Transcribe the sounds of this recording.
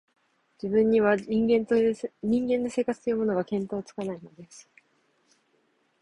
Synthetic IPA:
d͡ʑibɯ̃ɲ̟ːiβãŋɡẽɲĩŋɡẽ̞nːo̞se̞ːkat͡sɨ̥t̪o̞jɯːmo̞noɡakẽ̞nt̪o̞ːt͡sɨ̥kanaino̞d̪e̞sɨ̥

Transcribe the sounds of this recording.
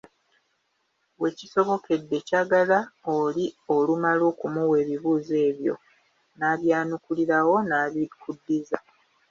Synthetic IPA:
we̞ciso̞βo̞ke̞dːe̞caɡalaolio̞lumalo̞ːkumuwe̞ːβiβuːze̞ːβjo̞̰ | naːβjaːnukuliɾawo̞naːβikʰudːiza

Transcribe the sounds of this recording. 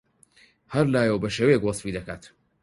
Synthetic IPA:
hɐɾlaːjəwbɐʃeːwejekwɑsˤfid̪ɐkaːt̪

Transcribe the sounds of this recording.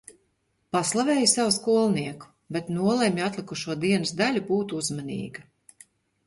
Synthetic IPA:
paslˠavɛːjusawuskuɔlˠniɛku̥ | bet̪nuɔlˠemʲjat̪lˠikuʃuɔd̪iɛnɨsd̪alʲubuːt̪uuzmanḭːɡa

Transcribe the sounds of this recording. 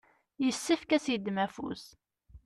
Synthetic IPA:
jəsːəfkæsid̪mæfṵs

